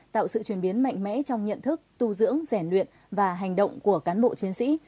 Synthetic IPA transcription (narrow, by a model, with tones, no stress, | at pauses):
t̪a̰ː˧˨wsɨ̰˧˨t͡ɕwi˧˩ənɓi˨˦ənma̰˧˨jŋ̟mɛ̰˧˥t͡ɕɔ˧wŋ͡mɲə̰˧˨nt̪ʰɨ˦˥k̚t̪u˧zɨ̰˧˥əŋzɛ˧˩nlwḭ˧˨ən | vaː˨˩ɦa˨˩ŋ̟ɗə̰˧˨wŋ͡mku˧˩əkaː˨˦nɓo̰˧˨t͡ɕi˨˦ənsḭ˧˥